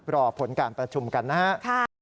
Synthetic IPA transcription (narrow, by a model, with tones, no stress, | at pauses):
pɾɔː˧pʰo˩˦nkaː˨˩npɾa˧t͡ɕʰu˧mka˧nːa˦˥ha˦˥ʔkʰa˥˩